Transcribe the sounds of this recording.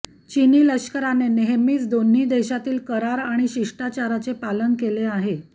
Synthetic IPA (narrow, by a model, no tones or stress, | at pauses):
t͡ɕiniːləɕkəɾaneneɦmiːt͡sd̪onːiːd̪eɕat̪iːlkəɾaɾaɽ̃iɕiʂʈat͡ɕaɾat͡sepalənkeleaɦe